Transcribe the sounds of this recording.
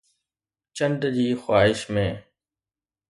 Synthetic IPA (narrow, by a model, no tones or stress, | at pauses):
t͡ɕəɳɖd͡ʑiːxwaːɦɪʃmẽː